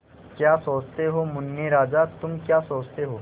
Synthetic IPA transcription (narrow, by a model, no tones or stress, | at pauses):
kjaːsoːt͡ʃt̪eɦomʊnːeɾaːd͡ʒat̪ʊmkjaːsoːt͡ʃt̪eɦoː